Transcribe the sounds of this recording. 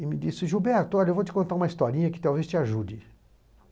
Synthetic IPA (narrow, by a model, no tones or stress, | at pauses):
ɪmɪd͡ʒisɪʒubɛɾt̪ʊɔʎɐewvowt͡ʃɪkõnt̪aɾũmɐist̪ɔɾĩɲɐkɪ̥t̪awvest͡ʃɪaʒud͡ʒɪ